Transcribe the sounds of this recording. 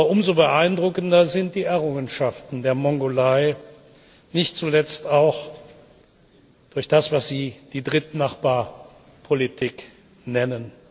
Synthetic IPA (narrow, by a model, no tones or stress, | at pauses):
ɐʊmzobəʔaɪndʁʊkndɐzɪnt̚d̥iːɛɐʁ̞ʊŋənʃaftn̩deːɐmɔŋɡolaɪ | nɪçt̚t͡sulɛt͡staʊx | d̥ʊɐçd̥asv̥asz̥iːd̥iːdʁɪt̚naχb̥aːɐ | pʰolitʰiːk | nɛnən